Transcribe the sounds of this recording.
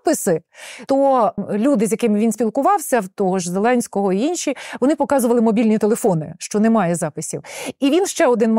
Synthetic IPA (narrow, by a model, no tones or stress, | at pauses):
pɪsɪt̪ɔlʲud̪ɪzʲjɐkɪmɪʋʲinsʲpʲilˠkʊʋɑwsʲɐwt̪ɔɦɔʒzelˠɛnʲsʲkɔɦɔiinʃʲiʋɔnɪpɔkɑzʊʋɐlˠɪmɔbʲilʲnʲit̪elˠefɔnɪʃt͡ʃɔnɛmɑjɛzɑpɪsʲiwiʋʲinʃt͡ʃɛɔd̪ɪnm